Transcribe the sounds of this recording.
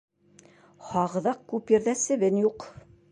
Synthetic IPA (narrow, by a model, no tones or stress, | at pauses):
hɑʁɤ̆ðɑq̚kʉpjɘ̆ɾðæsɘ̆βɘnjuq